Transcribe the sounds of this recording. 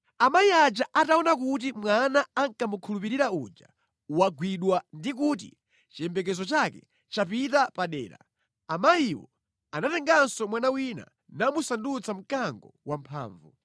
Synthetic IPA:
amajiad͡ʒaʔataɔnakut̬imwanaːŋkamukʰulupiɾiɾaud͡ʒa̰ | waɡwiɗwandikut̬ḭ | t͡ʃijɛmbɛk̬ɛzɔt͡ʃakɛ̰ | t͡ʃapitapaɗɛ̰ːɾa̰ | amajiwɔ̰ | anatɛŋɡansɔmwanawina̰ | namusandut͡sam̩kaŋɡɔwampʰa̰ːɱvu

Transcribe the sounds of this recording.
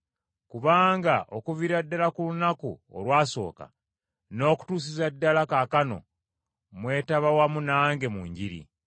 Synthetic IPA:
kuβaːŋɡaʔo̞kuviɾadːalakulunakṵo̰lwaːso̞̰ːka̰ | no̞ːku̥tuːs̬izadːalakaːkano̞̰ | mwe̞ːtaβawamunaːŋɡe̞muɲɟiɾḭ

